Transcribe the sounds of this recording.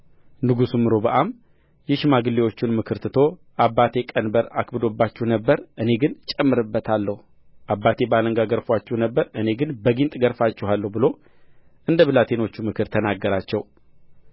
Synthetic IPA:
nɨɡusumːɨɾo̞bəʔam | jɛʃmaɡɨlːewo̞t͡ʃːɪnmɨkʰɨɾt̪ɨt̪ʰo̞ | ʔabːat̪ʰe̞kʼənbəɾa̰kbɨd̪o̞bːat͡ʃːɛhnəbːəɾʔɨne̞ɡɨnt͡ʃʼɛmːɨɾɨbːət̪ʰalːəhu | ʔabːat̪ʰe̞baləŋɡaɡəɾfat͡ʃːɛhnəbːəɾɨneɡɨnbəɡint̪ʼɡəɾfat͡ʃːɛhalːəhbɨlo̞ | ʔɨnd̪əβɨlat̪ʰe̞no̞t͡ʃːumɨkʰɨɾt̪ʰənaɡːəɾat͡ʃːɛw

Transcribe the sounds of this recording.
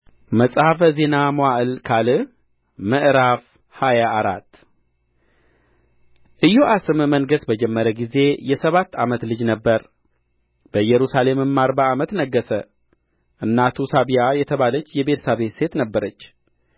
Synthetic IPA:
məsʼhafəze̞namoaʔɨlkʰalɨ | məʔɾaf | hajaʔːɾat̪ː | ʔɨjːoʔasɨmməŋɡəsbəd͡ʒɛmːəɾəɡize̞jɛsəβat̪ːamət̪lɨd͡ʒnəbːəɾ | bəjɛɾusale̞mɨmːaɾbaːmət̪nəɡːəsə | ʔɨnːat̪ʰusaβijajɛt̪ʰəβalət͡ʃːjɛbe̞t̪ʰə̥saβe̞t̪se̞t̪nəbːəɾət͡ʃː

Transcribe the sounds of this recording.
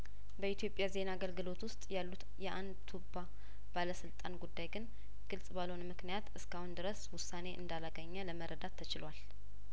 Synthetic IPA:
bəit̪jo̞pʼjaze̞naaɡəlɡɨlo̞t̪wʊst̪ʼjalːut̪jɛʔand̪t̪ʰubːa | b̥aləsɨlt̪ʼanɡud̪ːajɡɨn | ɡ̥ɨlsʼbaləwunmɨknijat̪ɨskahund̪ɨɾəswʊsːane̞ʔɨ̰nd̪alaɡəɲːələməɾəd̪at̪ʰːət͡ʃɪlwal

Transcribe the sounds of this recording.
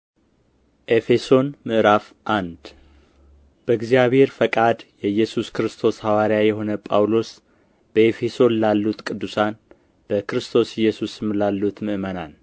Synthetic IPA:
ʔe̞fe̞so̞nmɨʔɾaf | ʔand̪ | b̥əɨɡzijaβhe̞ɾfəkʼad̪jɛjɛsuskɨɾɨst̪ʰo̞shawaɾijajɛɦo̞nəpʼa̰wlo̞s | b̥əefe̞so̞lalːut̪kʼɨd̪ːusan | b̥əkɨɾɨst̪ʰo̞sɪjːɛsusɨmlalːut̪mɨʔmənan

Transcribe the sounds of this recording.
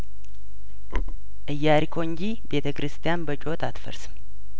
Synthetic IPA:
ʔɨjːaɾikʰo̞ɨɲd͡ʒibe̞t̪ʰəkɨɾɨst̪ʰijanbət͡ʃʼot̪ʰat̪fə̰ɾsɨm

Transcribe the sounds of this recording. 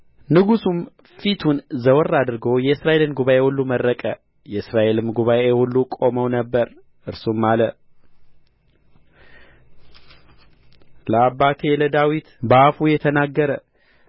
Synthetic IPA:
nɨɡusum | fit̪ʰunzəwɔrːad̪ɨɾɡo̞jɛɨsɾaʔe̞lɨnɡuβaʔe̞hulːuməɾːəkʼə | jɛɨsɾaʔe̞lɨmɡuβaʔehulːukʼo̞məwnəbːəɾ | ʔɨɾsumːalə | ləabːat̪ʰe̞ləd̪awit̪bafujɛt̪ʰənaɡːəɾə

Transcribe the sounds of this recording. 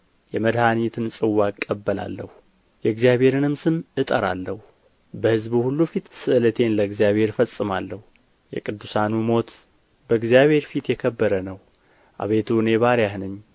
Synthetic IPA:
jɛməd̪hanit̪ʰɨnsʼɨwːakʼːəbːəla̰lːəhu | jɛɡzjaβhe̞ɾɨnɨmsɨnɨt̪ʼəɾa̰lːəhu | bəhɨzbuhulːufit̪sɨʔlət̪ʰe̞nləɨɡzijaβhe̞ɾfəsʼːɨmalːəhu | jɛ̰kʼɨd̪ːusanumo̞t̪ | bəɨɡzjaβhe̞ɾfit̪jɛkʰəbːəɾənəw | ʔa̰βet̪ʰuneβaɾjahnɨɲː

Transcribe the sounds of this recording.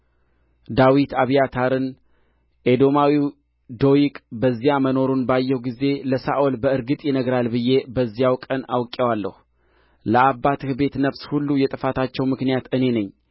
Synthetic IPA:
d̪awit̪ʰaβijat̪ʰaɾɨn | ʔed̪o̞mawiw | d̪o̞jikʼbəzːijaməno̞ɾunbajːɛwɡize̞ləsaʔolbəɨɾɡɨt̪ʼjɪnəɡɾalbɨjːe̞bəzːijawkʼəna̰wkʼːewalːə̰h | ləabːat̪ʰɨhbe̞t̪nəβshulːujɛt̪ʼɨfat̪ʰat͡ʃːɛwmɨknijat̪ɨne̞nəɲː

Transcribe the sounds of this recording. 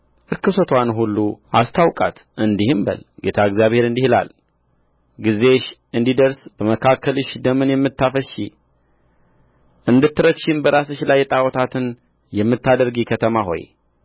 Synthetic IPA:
ʔɨɾkɨsot̪ʰwanɦulːuʔast̪ʰawkʼa̰t̪ | ʔɨnd̪ihɨmbə̰lɡe̞t̪ʰaɨɡzjaβhe̞ɾɨnd̪ihla̰l | ɡize̞ʃɨnd̪id̪əɾsbəməkʰakʰːəlɨʃd̪əmɨnjɛmːɨt̪ːafəʃḭ | ʔɨnd̪ɨt̪ːɨɾəkʃɪmbəɾasɨʃlajːɛt̪ʼawɔt̪ʰat̪ʰɨn | jɛmːɨt̪ːad̪əɾɡikʰət̪ʰəmaɦo̞̰j

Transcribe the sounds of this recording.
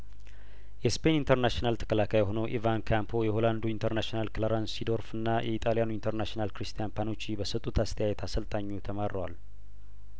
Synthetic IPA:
jɛspʰe̞nint̪ʰəɾnaʃinalt̪ʰə̥kʰəlakʰajɦo̞nəwʔivankʰampʰo̞jɛho̞land̪uint̪ʰəɾnaʃnalkʰɨlaɾansid̪o̞ɾfɨnːajʔɛ̰it̪ʼalijanuint̪ʰəɾnaʃnalkɾist̪ʰijanpʰano̞t͡ʃːibəsɨt̪ʼut̪ʰast̪ʰəjajɛt̪ʰasəlt̪ʼʰaɲːut̪ʰəmaɾːəwa̰l

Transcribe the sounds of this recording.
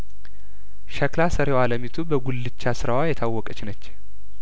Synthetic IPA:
ʃɐklasəɾewaləmit̪ʰubəɡulːɨt͡ʃːasɨɾawajɛt̪ʰawːɔkʼət͡ʃɪnət͡ʃː

